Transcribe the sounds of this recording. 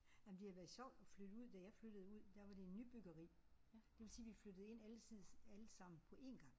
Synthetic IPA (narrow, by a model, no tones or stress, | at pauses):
jjæmnd̥ehɑʋæɐð̩ˠɕɒʊ̰d̥ɒ̽flød̥əuð̰ˠd̥æjɑ̈ɪflød̥əð̞̩ˠuð̞̰ˠd̥æɐʋɑ̈d̥e̝e̝nːyb̥yɡ̥ɐʁḭːd̥e̝ʋe̝lsiːʋiflød̥əð̩ˠe̝n̰ælət͡sʰið̰ˠæləsɑ̈m̰n̩pʰɒ̽ʔe̝̰ːnɡ̥ɑ̈ŋ̰